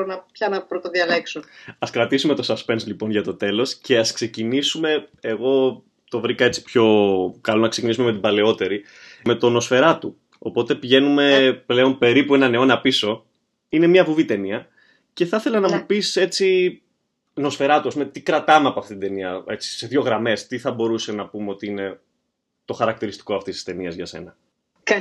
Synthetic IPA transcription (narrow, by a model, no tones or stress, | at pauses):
nɐpçɐnɐpɾot̪oðiɐleksoɐskɾɐt̪isume̞t̪o̞sɐspe̞nslipo̞nʝɐt̪o̞t̪e̞lo̞sce̞ɐskse̞cinisume̞eɣo̞ | t̪o̞vɾikɐe̞t͡si̥pço̞kɐlo̞nɐksecinisume̞me̞t̪̬ibɐle̞o̞t̪e̞ɾi | me̞t̪o̞no̞sfe̞ɾɐt̪u | o̰po̞t̪e̞piʝe̞nume̞ple̞o̞npe̞ɾipuenɐne̞o̞nɐpiso̞ | ine̞mɲɐvuvit̪e̞niɐ | ce̞θɐθe̞lɐnɐmupise̞t͡si | no̞sfe̞ɾɐt̪uɐspumet̪ikɾɐt̪ɐmeɐpoɐft̪it̪id̪e̞niɐe̞t͡si̥se̞ðʝo̞ɣɾɐme̞st̪iθɐbo̞ɾuse̞nɐpume̞o̞t̪iine̞ | t̪o̞xɐɾɐk̚t̪iɾist̪i̥ko̞ɐft̪isi̥st̪e̞niɐzʝɐse̞̰nɐ